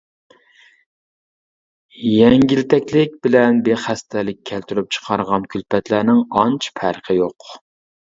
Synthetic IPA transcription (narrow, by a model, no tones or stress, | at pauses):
jɛŋɡʲilt̪ʰɛkʲlɪk̚ʲbɪlɛnbeχæst̪ʰælɪk̚ʲʰːælt̪yɾyp̚t͡ʃʰə̥qʰɑɾʁɑnkʲʰylpʰɛt̪lænɪŋɑnt͡ʃʰpʰæɾqʰəjoq